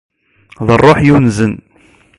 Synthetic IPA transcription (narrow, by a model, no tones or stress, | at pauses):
ðərˤːoħjunzən